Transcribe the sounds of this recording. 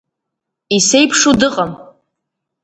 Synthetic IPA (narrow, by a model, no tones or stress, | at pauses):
isejpʰʂudɨqʼam